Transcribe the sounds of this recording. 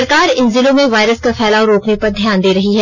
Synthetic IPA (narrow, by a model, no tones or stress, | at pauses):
ɐɾkaːɾɪnzɪlõmẽʋaːɪɾəskafɛːlaʊɾoːknepɐɾd̪ʱjaːnd̪eːɾɐɦiɦɛ